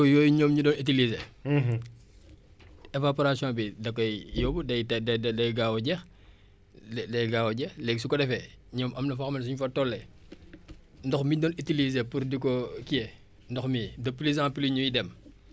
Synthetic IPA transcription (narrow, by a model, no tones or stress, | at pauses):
ɔjɔːjuɲɔːmɲudɔːnit̬ilize | ɛvapɔɾasijɔ̃bidɐkːɔjjɔbudɐjtɛdɐddɐjɡawɔɟɛx | dɐjɡaːwɔɟɛxlɛːɡsukɔdɛfɛ | ɲɔːmɐmnɐfɔxmɛns̬uɲufɐtɔlːɛ | ndɔxmidɔnitilizepuɾdikɔkijɛ | ndɔxmidɐpːlizãːpiliɲujidɛm